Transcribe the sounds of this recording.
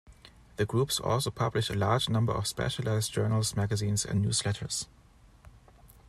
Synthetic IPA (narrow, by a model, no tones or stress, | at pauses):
ðɨɡɹupsɔ̰lˠsoʊpʰʌblɪʃəlaɹd͡ʒnʌ̃mbə˞ɔfspɛ̰ʃəlaɪz̥d͡ʒɜ˞nl̩smæɡəzĩːnzɨ̰̃nnjṵːslɛtʰə˞s